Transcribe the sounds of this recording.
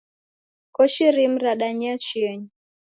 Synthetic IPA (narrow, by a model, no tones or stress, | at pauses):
kɔʃiɾim̩ɾaɗaɲat͡ʃiɛɲi